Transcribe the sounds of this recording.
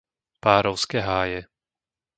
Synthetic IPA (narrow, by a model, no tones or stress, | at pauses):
paːɾɔʊskɛɦaːjɛ